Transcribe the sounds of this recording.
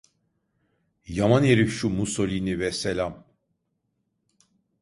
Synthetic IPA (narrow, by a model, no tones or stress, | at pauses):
jamaneɾiʃumuso̞lʲinivɛselʲam